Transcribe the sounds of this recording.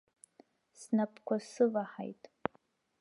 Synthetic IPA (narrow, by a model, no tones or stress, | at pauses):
snapʰkʷʰasɨvaħa̰jtʼ